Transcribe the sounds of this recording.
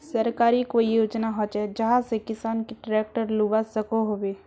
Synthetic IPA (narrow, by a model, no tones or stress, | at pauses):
səɾkaːɾikoːijoːd͡ʒnaɦɔt͡ʃɛd͡ʒəɦãsekɪsaːnkeʈɾɛːk̚ʈəɾluːʋasəkoɦoːbeː